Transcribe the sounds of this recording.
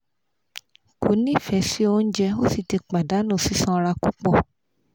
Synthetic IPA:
ko˨˦nĩ˦˨fɛ˨˧˦si˦o˧n̩˦d͡ʒɛ˧o˦si˦˨ti˧k͡pa˨da˨˦nũ˦˨si˦sã˧ɾa˧ku˦k͡pɔ˦˨

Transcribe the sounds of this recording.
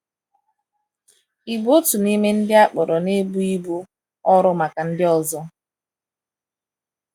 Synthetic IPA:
i˨bu˦o˦tu˨ni˦me˦n̩˦dɪ˦a˦k͡pɔ˨ɾɔ˨ne˦bu˦i˦bu˦ | ɔ˦ɾʊ˦ma˨ka˨n̩˦dɪ˦ɔ˦zɔ˦

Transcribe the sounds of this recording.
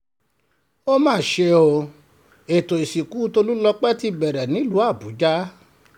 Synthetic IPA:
o˦mãː˦˨ʃe˧o˧˨ | e˨to˨i˨si˨ku˨˦to˧lu˦lɔ˧k͡pɛ˦ti˧bɛ˨ɾɛ˨nĩ˨˦lu˨˦a˦˨bu˨˦d͡ʒa˦

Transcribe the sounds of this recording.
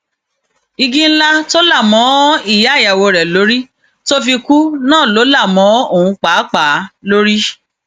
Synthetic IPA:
i˧ɡĩ˦n̩˦la˦to˦la˦˨mɔ̃˨˦i˦˨ja˨˦˨ja˨wo˧ɾɛ˨lo˨˦ɾi˦ | to˦fi˧ku˦nãː˦˨lo˨˦la˦˨mɔ̃˨˦o˦˨ũ˧k͡pa˨˦k͡pa˨˦lo˦ɾi˦

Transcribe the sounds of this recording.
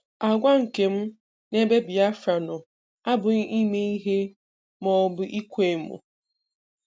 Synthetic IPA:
a˨ɡʷa˦ŋ̩˨ke˨m̩˦ | ne˦be˦bi˨a˦fɾa˨nɔ˨ | a˦bʊ˨˦i˦me˦i˦ɦe˦ | mɔ˨bʊ˨ʔi˦kʷe˦˨mʊ̰˨

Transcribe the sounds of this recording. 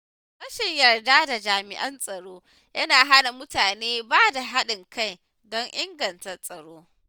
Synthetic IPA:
kɐ˦ʃɪ˨ɲjɐ˨rdaː˦da˨d͡ʒaː˨mɪ̰˨ʔɐ˦nsʼɐ˨ɽoː˦ | jɐ˦naː˨ɦa˦na˨mʊ˦taː˨neː˦baː˦da˨ɦa˦ɗɪ˨ŋka˦˨j | dɔ˦ŋʔɪ˦ŋɡɐ˨ntɐ˨rsʼɐ˨ɽoː˦

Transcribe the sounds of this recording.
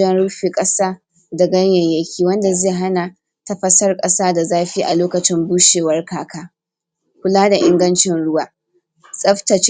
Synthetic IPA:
ɐ˦nɽʊ˦ɸiː˨kʼɐ˦saː˦ | dɐ˨ɡɐ˦ɲjɐ˨jjɐ˦kʲʰiː˦wɐ˦nda˨zeː˦˨ɦa˦na˨ | ta˦ɸɐ˦sɐ˦rkʼɐ˦saː˦da˨zaː˦ɸi˦ʔa̰˨loː˦kɐ˨t͡ʃɪ˦mbuː˦ʃeː˨wɐ˦rkaː˨kʰaː˦ | kʷʊ˦laː˦da˨ʔɪ̰˦ŋɡɐ˦nt͡ʃɪ˦nɽʊ˦waː˦ | sʼɐ˦ɸtɐ˨t͡ʃ

